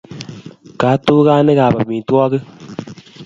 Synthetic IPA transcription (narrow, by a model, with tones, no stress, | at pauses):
ka˨˦to˦kaː˦ne˦kaː˨ba˨mi˨twɔ˦kɨ˦